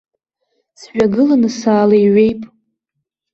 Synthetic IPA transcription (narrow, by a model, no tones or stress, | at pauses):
sɥᶣaɡɨlanɨsaːlajɥe̞jpʼ